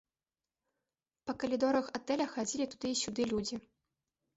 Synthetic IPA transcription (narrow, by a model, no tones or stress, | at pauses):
pɐkɐlʲid̪oɾɐxɐt̪ɛlʲaxad͡zʲilʲit̪ud̪ɨɕʲud̪ɨlʲud͡zʲi